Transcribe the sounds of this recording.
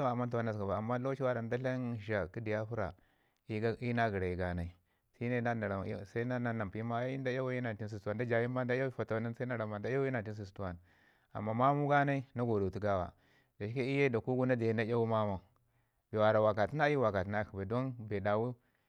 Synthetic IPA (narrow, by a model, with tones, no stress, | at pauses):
a˨mːa˦nta˦na˦s̬a˨ba˨a˨mːa˦lo˦ʃi˦wa˦ɾa˨n˦da˦ɬa˦n˨ʒa˨ki˦di˨ja˦fu˦ɾa̰˨ | i˦i˦na˦ɡi˨ɾa˨ji˨ɡa˨na˦i˦ | si˦ne˦na˦na˨ɾa˨˦sa˦i˦na˦na˦na˨mpma˦i˦nda˦ja˦wji˦na˨n˨ti˦n˦s̬i˨sa˨nda˦d͡ʒa˨ji˦mba˦n˦da˦ja˦fa˨ta˨wna˦n˦sa˦i˦na˦ɾa˨ma˨nda˦a˦na˨ti˦ns̬i˨s̬tu˦wa˦n | a̰˨mːa˦ma˦mu˦ɡa˦na˦i˦na˦ɡo˨do˨tu˨ɡa˦wa̰˨ | da˨ʃi˦ka˦i˦je˦da˨ku˦ɡu˦na˦da˨˦na˦ja˦wu˦ma˦ma˨ | be˨wa˨ɾa˨wa˨ka˨ti˦na˦i˦wa˨ka˨ti˦na˦ki˨ba˨do˦nbe˨da˨wu˦